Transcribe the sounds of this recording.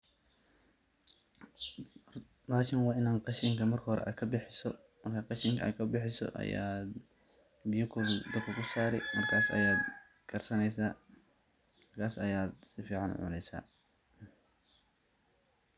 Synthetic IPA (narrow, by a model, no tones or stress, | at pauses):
raːʃɪnwaːɪnaːnqɑʃɪŋkʰɐmɐrkʰɐhɔɾɛ̰ʔa̰ːd̪kʰɐbɪħɪsɔ | mɐrkʰɐqɑʃɪŋkʰɐa̰ːd̪kʰɐbɪħɪsɔ̰ʔɐ̰ja̰ː | bɪjʊkʰɔld̪ɐkʰɐkʰʊsaːɾɛ̰mɐrkʰaːsɐ̰jaːd̪ | kʰɐrsɐnɛjsaː | mɐrkʰaːsɐjaːd̪sɪfiːʕɑn̰ʕʊ̰nɛjsa̰ː